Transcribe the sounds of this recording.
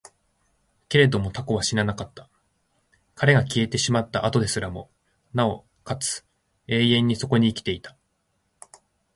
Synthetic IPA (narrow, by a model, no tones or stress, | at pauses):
ke̞ɾe̞d̪o̞mo̞t̪ako̞β̞aɕiɾanakat̪ːḁ | kʰaɾe̞ɡakʲie̞t̪e̞ɕimat̪ːaʔat̪o̞d̪e̞sɨɾamo̞ | nao̞ | kat͡sɨ̥ | e̞ːẽ̞ɲ̟ːiso̞ko̞ɲ̟iːkʲi̥t̪e̞it̪ḁ